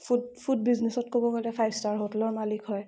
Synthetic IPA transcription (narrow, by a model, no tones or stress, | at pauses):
fudfʰud̚biznɛsɔtkʰobɔɡolɛfʰajbstaɹɦotulɔɹmalikɦɔj